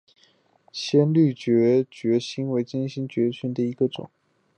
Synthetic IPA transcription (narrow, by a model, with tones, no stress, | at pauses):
ɕjɛ˥nly˥˩t͡ɕɥɛ˧˥t͡ɕɥɛ˧˥ɕi˥nwe˧˥ɪt͡ɕi˥nɕi˥ŋt͡ɕɥɛ˧˥t͡ɕʰy˧˥nd̪ə˨i˧˥ɡə˧ʈ͡ʂʊ̰˨˩˦ŋ